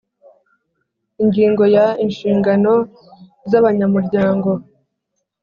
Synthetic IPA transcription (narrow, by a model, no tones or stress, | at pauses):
iɲɟiːŋɡo̞jainʃiːŋɡano̞ | zaβaɲamuɾɟaːŋɡo̞